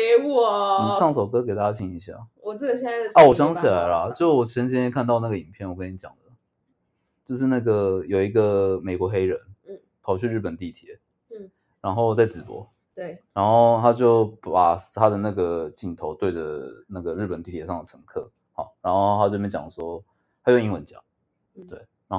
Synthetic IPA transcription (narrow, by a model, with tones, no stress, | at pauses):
u˥˩ni˨˩ʈ͡ʂʰɑ˥˩ŋso˨˩ʊkɤ˥ke˨˩ɪt̪a˥˩t͡ɕja˥t͡ɕʰi˧˩ŋi˧˥ɕja̰˥˩ɔ˨˩˥ɕɛ˥ɐ˧wɔ˨˩ɕ̬jɑ˥ŋt͡ɕʰi˨˩la˧˦˥ɪlɐ˦t͡ɕjo˥˧ʂ̩˥˩wɔ˨˩t͡ɕʰɛ˧˥nt͡ɕʰi˧˥ɛ˥kʰa˥˧nt̪ɑ˥˧ʊna˥˩ɡə˩i˨˩npʰjɛ˥˩nwɔ˨˩kə˥ni˧˥t͡ɕjɑ̰˨˩ŋd̪ə˦ | t͡ɕjo˥˧ʊʂ̬ɻ̩˥˧na˥˩ɡə˩jo˨˩ʊi˧˥ɡə˧me˨˩ɪkwɔ˧˥xe˥ɪɻə˧˦n̩˥˩ | pʰɑ˨˩ʊt͡ɕʰy˥˧ɻ̩˥˩pə˨˩nt̪i˥˩t̪ʰjɛ˧˥˦ | ɻa˧˥nxo˥˧ʊt͡sa˥˩ɪt͡sɹ̩˨˩pwɔ̰˧˥ | we˥˧˩ɻa˧˥nxo˥˩ʊt̪ʰa˥t͡ɕjo˥˩ʊpa˨˩ʂt̪ʰa˥d̪ə˨na˥˩ɡə˩t͡ɕi˥˩nt̪ʰo˧˥ʊt̪we˥˩ɪd͡ʒə̰˩na˥˩ɡə˩ɻ̩˥˩pə˨˩nt̪i˥˩t̪ʰjɛ˧˥ʂɑ˥˩ŋd̪ə˩ʈ͡ʂʰɤ˧˥ŋkʰɤ˥˩ | xɑ˨˩ʊɻa˧˥nxo˥˩ʊ˩ʊt̪ʰa˥t͡ɕo˥˩˧t͡ɕjɑ̰˨˩ŋ˩ʂwɔ˥ | t̪ʰa˥˧˥ŋi˥ŋwə˧˦nt͡ɕjɑ̰˨˩˦ŋ | t̪we˥˩ɪɻa˧˥n˥